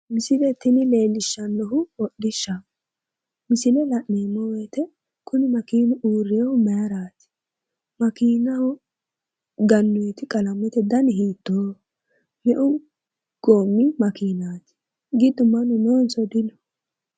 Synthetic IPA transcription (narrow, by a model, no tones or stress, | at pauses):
mɪsɪlɛt̪ɪnɪle̞ːlːɪʃːɐnːɔɦʊwɔɗɪʃːɐ | mɪsɪlɛlɐʔneːmːɔwɛːt̪ɛ | kʰʊnɪmɐkiːnʊʔuːɾːewʊmɐjɐɾaːt̪ɪ̥ | mɐkiːnɐwʊ | ɡɐnːʊɛt̪ɪkʼɐlɐmːɛt̪ɛd̪ɐnɪɦiːt̪ːoː | mɛʔʊ | ɡ̥oːmːɪmɐkiːnaːt̪ɪ̥ | ɡɪd̪ʊmɐnʊnoːnsɔd̪ɪnɔ̥